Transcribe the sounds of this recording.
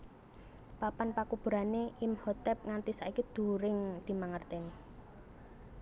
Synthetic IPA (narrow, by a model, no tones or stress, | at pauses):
papanpakub̥ṳɾaneʔimhɔt̪ɛp̚ŋant̪isaikid̪̥ṳɾɪŋd̪̥i̤maŋərt̪ɪni